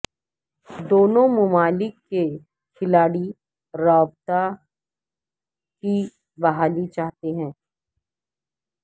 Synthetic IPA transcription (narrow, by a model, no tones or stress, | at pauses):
d̪oːnõmʊmaːlɪkːe | kʰɪlaːɽi | ɾaːbt̪a | ki | bɐɦaːlit͡ʃaːɦt̪eɦɛ̃ː